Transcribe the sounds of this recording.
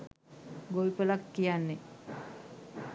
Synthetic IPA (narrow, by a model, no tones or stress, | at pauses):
ɡoipəlakːijanːe